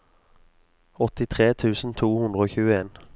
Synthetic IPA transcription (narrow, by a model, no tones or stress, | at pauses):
ɔt̪ɪt̪ʰʁeːt̪ʰʉːsn̩t̪ʰuːhʉnd̪ʁəoːçʉːəeːn